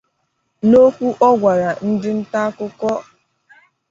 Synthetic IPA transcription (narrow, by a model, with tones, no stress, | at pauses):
no˦kʷu˦ʔɔ˦ɡʷa˨ɾa˨n̩˦dɪ˦n̩˦ta˦kʊ˦kɔ˦